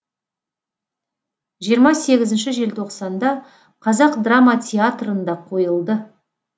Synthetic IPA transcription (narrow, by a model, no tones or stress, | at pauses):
ʒijəɾmɑse̞ɡʲɪzɪnʃɪʒe̞lt̪ʰo̞qsɑnd̪ɑ | qʰɑzɑqd̪ramat̪ʲʰeat̪rənd̪ɑqʰo̞jəlˠd̪ə